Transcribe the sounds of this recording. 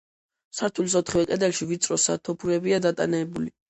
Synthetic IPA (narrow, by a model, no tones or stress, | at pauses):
saɾt̪ʰuls̬ɔt̪ʰχivɛkʼɛd̪ɛlʃivit̪sʼɾɔsa̰t̪ʰɔpʰuɾɛbiad̪at̪ʼa̰nɛːbuli